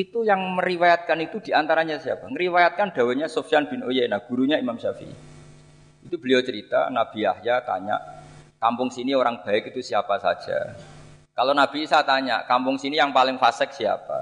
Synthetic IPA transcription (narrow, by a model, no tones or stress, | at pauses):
it̪ujaŋməɾiwajat̪̚kanit̪ud̥i̤ant̪aɾaɲasia̰paŋəɾiwajat̪̚kanɖ̥a̤waɲasofijanb̥i̤nojenahɡ̥ṳɾuɲaimamʃafḭ | it̪ub̥əliot͡ʃəɾit̪a̰nab̥i̤a̰hjat̪a̰ɲa̰ʔkampʊŋsinioɾaŋb̥a̤ɪkit̪usiapasa̰d̥ʒ̥a̰ | kalonab̥isat̪aɲa̰ʔkampʊŋsinijaŋpalɪŋfasɪk̚sia̰pa̰